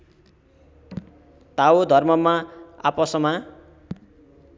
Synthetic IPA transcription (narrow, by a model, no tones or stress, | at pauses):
t̪awod̪ʱʌrmʌmaa̰pʌsʌma